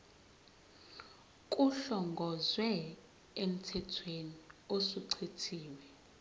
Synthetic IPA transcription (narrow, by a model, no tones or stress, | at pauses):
kʼuɬɔŋɡʱɔzwɛ | em̩tʰɛtʰweniosuǀʰitʰiːwɛ